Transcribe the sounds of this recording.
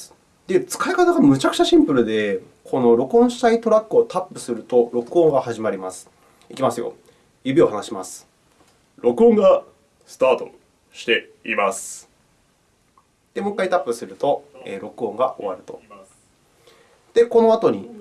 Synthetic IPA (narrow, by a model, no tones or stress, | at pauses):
d̪e̞t͡sɨ̥kaikat̪aɡamɯ̟t͡ɕakɯ̟t͡ɕaɕĩmpɯ̟ɾɯ̟d̪e̞ | kʰo̞no̞ɾo̞kɯ̟õ̞ɰ̃ɕi̥t̪ait̪o̞ɾakːɯ̟ot̪apːɯ̟sɨɾɯ̟t̪o̞ɾo̞kɯõŋɡahaʑimaɾʲimasɨ̥ | ikʲimasɨjo̰ | jɯ̟bʲio̞hanaɕimasɨ̥ | ɾo̞kɯ̟õ̞ŋɡa | sɨ̥t̪aːt̪o̞ | ɕi̥t̪e̞ | imasɨ̥ | d̪̥e̞mokːait̪apːɯ̟sɨɾɯ̟t̪o̞ḛːɾo̞kɯ̟õ̞ŋɡa̰ʔo̞̰βa̰ɾɯ̟t̪o̞̰ | d̪̥e̞ko̞no̞at̪o̞ɲ̟i